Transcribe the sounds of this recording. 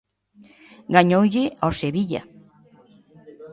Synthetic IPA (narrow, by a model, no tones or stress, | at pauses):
ɡaɲowʎɪɔseβiʎa̰